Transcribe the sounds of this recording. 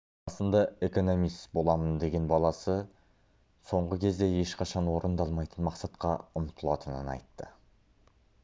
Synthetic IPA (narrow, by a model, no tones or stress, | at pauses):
ɑsənd̪ɑe̞ko̞no̞mist̪bo̞lˠɑmənd̪e̞ɡʲe̞nbɑlˠɑsə | so̞ɴʁəkʲʰe̞zd̪e̞je̞ʃqʰɑʃɑnwo̞ɾʔənd̪ɑlˠmɑjt̪ənmɑqsɑt̪qɑʊmt̪ʰəlˠɑt̪ənənɑ̰jt̪ːə